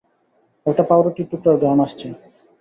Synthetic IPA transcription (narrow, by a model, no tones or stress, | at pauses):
ɛk̚ʈapawɾoʈiʈːuʈoɾɡɾamaʃt͡ɕʰe